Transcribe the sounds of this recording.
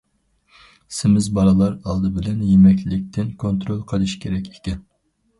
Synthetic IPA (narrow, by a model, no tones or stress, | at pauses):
sɪmɪzbɑɾɨlˠɑɾɑlˠd̪ɨbɪlɛnjemɛkʲllɪk̚ʲt̪ʰɪnkʰont̪ɾolˠqʰəlˠɨʃkʲʰeɾɛkʲʰe̥kʲɛn